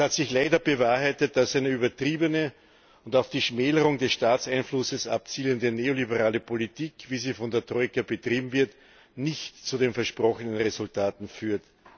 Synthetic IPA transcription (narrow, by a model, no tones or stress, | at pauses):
hatsɪçlaɪdɐbəvaːɐhaɪtət̚d̥asæɪnəyːbɐtʁ̥iːbənə | ʊntɑʊfd̥iːʃmeːləʁʊŋdɛsʃtaːt͡saɪnflʊsəsʔa̰pt͡siːləndəneːolibəʁaːləpʰolitʰiːkviːziːfɔndeːɐtʁɔɪkɐbətʁ̥iːbm̩vɪɐt | nɪçtt͡sudeːnfɛɐʃpʁɔxənənʁezʊltaːtn̩fyːɐt